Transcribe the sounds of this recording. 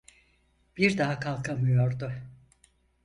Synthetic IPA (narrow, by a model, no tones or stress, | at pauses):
b̥iɾd̪aɦakʰalˠkʰamɯjo̞ɾd̪ʊ